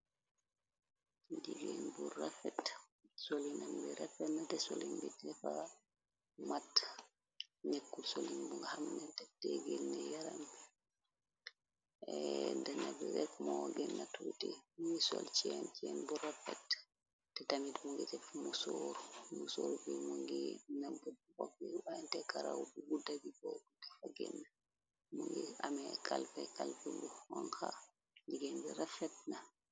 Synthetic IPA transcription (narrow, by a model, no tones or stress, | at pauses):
d͡ʒiɡɛnburafɛtsolinambɛɾafɛnːatɛsolinbitːɛfa | matː | ɲekːulsolinbuŋɡahamnɛtɛtɛɡɛnːɛjaɾam | ɛdanabɛɾɛkmɔɡɛnːatutɛmuŋɡɛsɔlt͡ʃɛnt͡ʃɛnbɔɾafɛ̰tː | ɛtamitmuŋɡɛtɛfmusoɾumusoɾubɛmuŋɡɛnabɛwakːiwaantɛkaɾawbuɡudabibɔdukɛfaɡɛ̰nːa | muŋɡɛamɛkalfɛkalfɛbɔwanka | ɲiɡɛnbɛɾafɛt̚na